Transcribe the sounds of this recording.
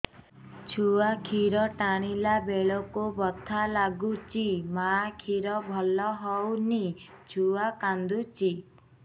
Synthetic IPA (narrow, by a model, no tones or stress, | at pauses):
t͡ʃʰuakʰiɾɔʈaɽ̃ilabeɭɔkubɔt̪ʰalaɡut͡ʃimakʰiɾɔbʱɔlɔɦɔwnit͡ʃʰuakand̪ut͡ʃi